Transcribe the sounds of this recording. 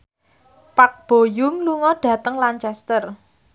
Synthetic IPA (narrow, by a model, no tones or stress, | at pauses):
pak̚b̥o̤jʊŋluŋɔɖ̥ä̤t̪əŋlant͡ʃɛst̪ər